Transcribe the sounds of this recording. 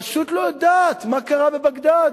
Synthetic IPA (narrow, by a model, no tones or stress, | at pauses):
aʃut̪load̪aːt̪makaʁabebaɡd̪a